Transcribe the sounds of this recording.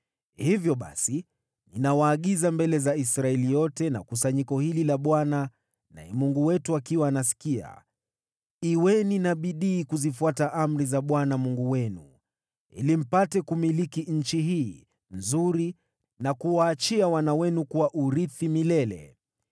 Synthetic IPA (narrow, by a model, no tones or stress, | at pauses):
hivjɔɓa̰si | ninawaːɠizambɛlɛzaisɾaɛlijɔtɛna̰kusaɲikɔhililaɓwana | na̰ɛmuŋɡuwɛtuakiwaːnasi̥kia̰ | iwɛninaɓiɗiːkuzifuataʔam̩ɾizaɓwanamuŋɡuwɛnṵ | ḭlim̩patɛkumilikiɲ̩t͡ʃiɦiː | nzuɾi | nakuwaːt͡ʃiawanawɛnukuwaʔuɾiθimilɛlɛ̰